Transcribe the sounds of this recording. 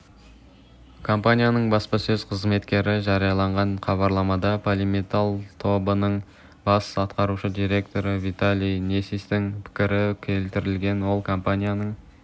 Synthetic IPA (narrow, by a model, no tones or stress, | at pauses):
kʰo̞mpanʲijanəɴbɑspɑsɵzqʰəzme̞t̪kʲe̞ɾɪʒɑɾijɑlˠɑɴʁɑnχʰɑβɑɾlˠɑmɑd̪ɑpʰolʲimit̪alˠt̪ʰo̞bənəɴ | bɑsɑt̪qɑɾuʃəd̪iɾe̞kt̪o̞ɾəvijt̪alʲijnesist̪ɪŋpʰɪ̥kʲɪɾɪkʲʰe̞lt̪ɪɾɪlɡʲe̞nwo̞lˠkʰo̞mpanʲijanəɴ